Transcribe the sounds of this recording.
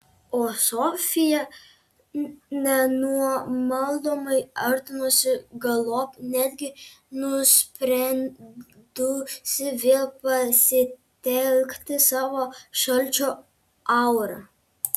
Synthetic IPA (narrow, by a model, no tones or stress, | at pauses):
osɔfʲija | nʲɛnuɔmɐlˠd̪ɔmɐjɐɾt̪ʊmosʲɪɡɐlˠɔpnʲɛd̪ʲɡʲɪnʊspɾɛnd̪usɪʋʲelpɐsʲɪt̪ʲɛlʲkt̪ɪsɑːʋɔʃɐlʲt͡ʃɔ | awɾɐ̰